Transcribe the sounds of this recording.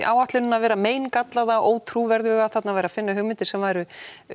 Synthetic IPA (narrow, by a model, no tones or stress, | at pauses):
ʔa̰ːwaht̪lɪnʏnːavɛːɾameːjnkat̪laðaʔoːwt̪ʰɾuvɛɾðʏːɣaθat̪navajɾafɪnːaɦʏɣmɪnt̪ɪɾ̥sɛmvajɾʏ